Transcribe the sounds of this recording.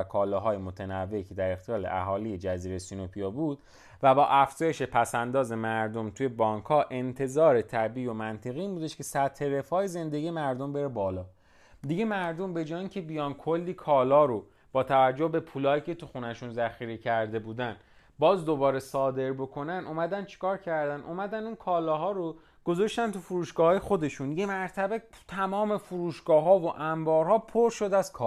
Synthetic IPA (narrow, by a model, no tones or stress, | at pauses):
kʰɒːlɒːɦɒːjemo̞t̪ʰenævːe̞cʰe̞d̪æɾext̪ejɒːlḛʔæ̰ɦɒːliːjed͡ʒæziːɾesinopʰijɑbuːd̪̥̚ | væbɒːʔæfz̥ɒːjeʃe̞pʰæsænd̪ɒːze̞mæɾd̪o̞mt̪ʰuːje̞bɒːŋkhɒːʔe̞nt̪ʰe̞zɒːɾe̞t̪ʰæbiːomænt̪ʰe̞ɣiːnbuːd̪eʃkʰe̞sæt̪ʰhe̞ɾe̞fɒːeze̞nd̪eɡije̞mæɾd̪o̞mbe̞ɾebɒːlɒː | d̪iɟe̞mæɾd̪o̞mbe̞d͡ʒɒːjicʰe̞bijɒnkʰolːiːkʰɒːlɒːɾo | b̥ɒːt̪ʰævæd͡ʒːohbe̞pʰuːlɒːjiːcʰe̞t̪ʰuxunæʃunzæxiːɾecʰæɾd̪e̞buːd̪æn | bɒːzd̪o̞bɒːɾe̞sɒːd̪e̞ɾbo̞kʰo̞nænumæd̪ænd̪t͡ʃʰi̥kɒːɾcʰæɾd̪ænʔumæd̪ænd̪inkʰɒːlɒːɦɒːɾo | ɡ̥o̞zoʃt̪ænt̪ʰufuɾuːʃɡ̥ɒːhɒːje̞xo̞d̪e̞ʃunje̞mæɾt̪ʰæbet̪ʰæmɒːme̞fuɾuːʃɡ̥ɒːɦɒːvoʔæmbɒːɾhɒːpʰoɾʃod̪æz̥kʰɒ